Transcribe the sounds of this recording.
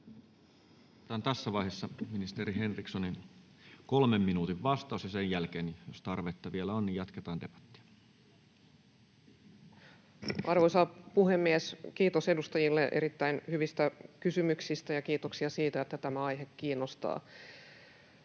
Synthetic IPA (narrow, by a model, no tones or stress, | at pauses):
t̪ɑːnt̪æsːæʋɑihesːɑminist̪eɾiɦenriksonin | kolmemːinuːt̪iʋʋɑst̪ɑˑusjɑsejjælkeːnjost̪ɑrʋet̪ːɑʋielæonːnijɑt̪ket̪ɑːnt̪epæ̥t̪ːi̥æ̥ | ʔɑrʋo̞jsɑpuhe̞mːieskiːt̪o̞se̞dust̪ɑjilːeʔeɾit̪ːæinhyʋist̪ækysymyksist̪æjɑkiːt̪oksiɑsiːt̪æet̪ːæt̪æmæɑjɦekːiːnːost̪ɑ̰ː